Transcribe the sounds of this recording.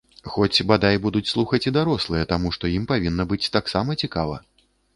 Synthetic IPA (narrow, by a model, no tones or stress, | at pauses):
xɔt͡sʲbad̪ajbud̪ut͡sʲslˠuxɐt͡sʲid̪aɾɔslˠɨjɛt̪amuʂt̪ɔjimpavʲinːɐbɨt͡sʲt̪aksamɐt͡sʲikavɐ̰